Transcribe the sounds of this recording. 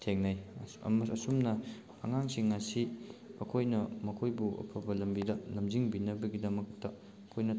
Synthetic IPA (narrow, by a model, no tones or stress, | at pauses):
tʰeŋnaj̰mɐsumnɐ | pʰɐ̰ŋaŋsiŋːasiɐkʰojnɐmɐkʰojbuʔɐ̰pʰɐbɐlɐmbidɐlɐmziŋbinɐbɐɡidɐmɐktɐ | ɐkʰojnɐ